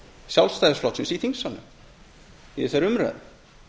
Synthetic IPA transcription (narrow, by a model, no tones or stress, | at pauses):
sjawlst̪ajðɪsflɔwt̪sɪnsiθiŋsanːʏ̰ | ɛɪθaɾʏmrɛ̰ð